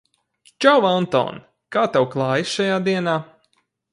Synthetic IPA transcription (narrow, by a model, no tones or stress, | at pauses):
t͡ʃawant̪ɔ̰ːn | kaːt̪awklˠaːjisʃajaːd̪iɛnaː